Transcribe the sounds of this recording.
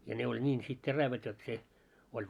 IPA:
jɑ ne olʲ nʲiːn sit teræʋæt jot se olʲ

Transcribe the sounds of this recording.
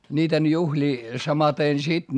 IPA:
nʲiːten juhlʲiː sɑmɑten sit

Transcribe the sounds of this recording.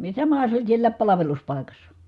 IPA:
sɑmɑhɑ se olʲ sielːæːp pɑlɑʋeluspɑˑi̯kɑsːɑ

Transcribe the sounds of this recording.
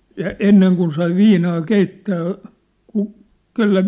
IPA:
jɑ enːeŋ kun sɑi ʋiːnɑː keitːæː ku kelːæ

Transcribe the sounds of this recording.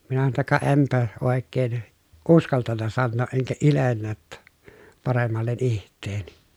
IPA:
minæ sɑno tːɑ kɑ ʔempæ oˑekːeːn uskɑltɑnːɑ sɑnːoːʔ ʔeŋkæ ilenːæ tːæ pɑremːɑlːen ihtˑeːni

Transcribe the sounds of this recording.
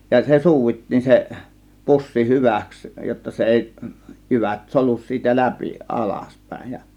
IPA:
jɑ se suːʋitːiːn se pusːi hyʋæˑks jotːɑ se eˑi jyʋæt solus siːtæ læpi ʔɑlɑspæˑe̝j jɑ

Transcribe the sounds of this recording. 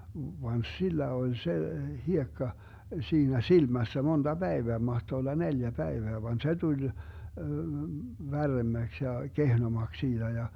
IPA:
ʋɑn silːæ olʲ se hiekːɑ siːnæ silmæsːæ mond̥ɑ b̥æeʋeæ mɑhto olːɑ neljæ pæeʋeæ ʋɑn se tulʲ ʋærːemːæks jɑ kehnomɑks siːd̥æ jɑ

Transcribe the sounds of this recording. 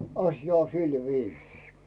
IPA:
ɑsjɑ o silʋiːsiː

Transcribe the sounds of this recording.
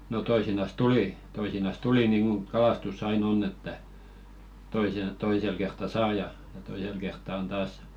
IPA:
no toisinɑs tuli toisinɑs tuli niːŋɡ̊uŋ kɑlɑstusː ɑin onː etːæ toisen̞ toisel kertːɑ sɑː jɑ jɑ toisel kertːɑ on tɑːs

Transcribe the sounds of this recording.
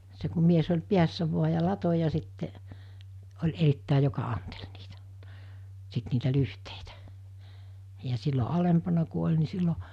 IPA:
se ku mies olʲ piæsːæ ʋuɑ jɑ lɑto jɑ sitːeʔ olʲ eritːæˑi jokɑ ɑntel niːtæ̥ sit niːtæ lyhteitæ̥ jɑ silːo ɑlempɑnɑ ku olʲ ni silːo

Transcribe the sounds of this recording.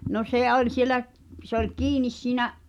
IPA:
no seˑ olʲ sielæʔ p se olʲ kiːnis siːnæʔ

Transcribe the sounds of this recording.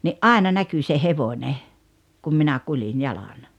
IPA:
niʔ ʔɑˑenɑ næky se heʋonʲe kum minæ kulin jɑlɑn

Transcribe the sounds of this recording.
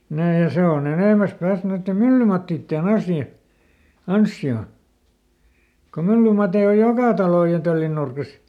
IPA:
næː jɑ se on eneˑmæs pæːst noitːe mylːymɑtːiːtːen ɑsjɑ ɑnsːio ko mylːymɑtei oj jokɑˑ tɑloˑj jɑ tølːin nurkis

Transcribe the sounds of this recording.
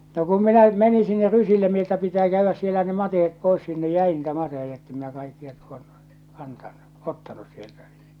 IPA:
no kum minæ meni sinːer rysilːe mi etːæ pitæː kæyʋːæs sielæ ne mɑtehet pois sinːe jæi niːtæ mɑtehejɑ etːem minæ kɑikːiɑ tuonːu̥ kɑntɑnːu otːɑnus sieltæ

